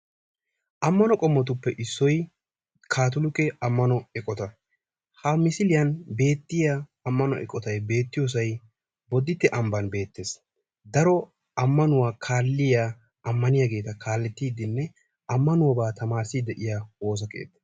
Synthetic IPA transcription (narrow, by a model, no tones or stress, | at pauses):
ʔɐmːɐnɔkʼɔmːɔt̪ʊpːɛʔɪsːɔj | kʰaːt̪ʊlʊkɛɐmːɐnɔɛkʼːɔt̪ɐ | hɐmɪsɪlɪjɐnbe̞ːt̪ːɪjaɐmːɐnɔʔɛ̰kʼɔt̪ɐjbe̞ːt̪ːɪjɔs̬ɐj | bɔd̪ːɪt̪ːɛʔɐmbɐnbe̞ːt̪ːes | d̪ɐɾɔ | ɐmːɐnʊwaːkʰaːlːɪja | ʔɐmːɐnɪjaɡe̞ːt̪ɐkʰaːlːɛt̪ːiːd̪ɪnːɛ | ɐmːɐnʊwɐbaːt̪ɐmaːɾsid̪ɛʔɪjawo̞ːs̬ɐkḛːt̪ːɛ̥